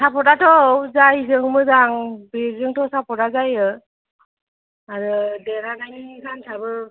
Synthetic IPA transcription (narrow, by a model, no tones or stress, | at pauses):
sapʰɔdatʰɔzajzɯŋmɯzaŋbeɾzɯŋtʰɔsapʰɔdazajɯ | aɾɯdeɾanaŋikʰansʰabɯ